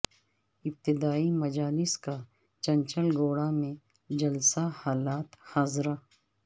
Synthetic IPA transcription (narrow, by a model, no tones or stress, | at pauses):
ɪb̚t̪ɪd̪aːimɐd͡ʒaːlɪska | t͡ʃɐ̃nt͡ʃəlɡoːɽamẽ | d͡ʒɐlsahaːlaːt̪haːzɾa